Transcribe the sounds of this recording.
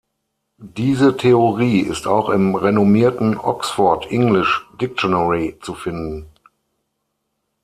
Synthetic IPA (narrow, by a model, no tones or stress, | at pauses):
diːzətʰeoʁiːɪ̰staʊxɪmʁenomiːɐtn̩ʔɔ̰ksfɔɐtʔɪŋlɪʃd̥ɪk̚tonəʁit͡sufɪndn̩